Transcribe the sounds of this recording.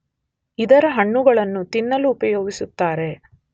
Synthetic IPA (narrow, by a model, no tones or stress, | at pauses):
id̪ɐɾɐɦɐɳːuɡɐɭɐnːut̪inːɐluːpɐjoːɡisut̪ːaːɾe̞